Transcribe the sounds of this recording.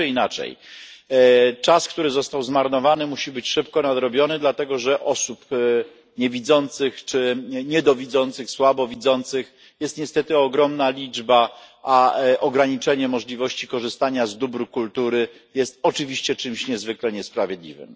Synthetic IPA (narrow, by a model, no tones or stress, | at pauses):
ɨinat͡ʂɛ̰j | t͡ʂaskt̪uɾɘzɔst̪awzmaɾnɔvanɘmuɕibɘt͡ɕʂɘpkɔnad̪ɾɔbʲjɔnɘd̪lat̪ɛɡɔʐɛʔɔsup | ɲɛvʲid̪zɔnt̪sɘxt͡ʂɘɲɛd̪ɔvʲid̪zɔnt̪sɘxswabɔvʲid̪zɔnt̪sɘx | jɛst̪ɲɛst̪ɛt̪ɘɔɡɾɔmnalʲid͡ʐbaʔaʔɔɡɾaɲit͡ʂɛɲɛmɔʐlʲivɔɕt͡ɕikɔʐɘst̪aɲazd̪ubɾukult̪uɾɘ | jɛst̪ɔt͡ʂɘvʲiɕt͡ɕɛt͡ʂɘmɕɲɛzvɘklɛɲɛspɾavʲjed̪lʲḭvɘ̰m